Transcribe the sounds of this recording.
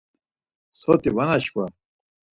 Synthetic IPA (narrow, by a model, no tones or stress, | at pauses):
sot̪iwɐnaɕka